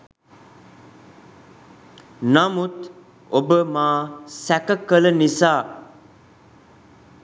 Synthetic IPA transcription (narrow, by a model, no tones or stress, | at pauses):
namut̪ | obəmãsɛkəkələnisa